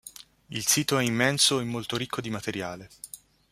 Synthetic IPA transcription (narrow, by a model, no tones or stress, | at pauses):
ilsiːt̪oɛimːɛnsoemːolt̪oɾikʰːod̪imat̪eɾjaːle